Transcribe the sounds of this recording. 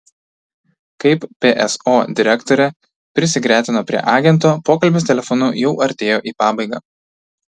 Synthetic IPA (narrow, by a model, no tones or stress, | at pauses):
kɐɪppʲeʔɛsoːd̪ʲɪɾʲɛkt̪oːɾʲɛ | pʲɾʲɪsʲɪɡɾʲæːt̪ʲɪnoːpʲɾʲḭɛ̰ʔɑːɡʲɛnt̪oːpoːkɐlʲbʲeːst̪ʲɛlʲɛfɔnʊjɛʊʔɐɾʲt̪ʲeːjoːʔiːpɑːbɐɪɡɑ̰ː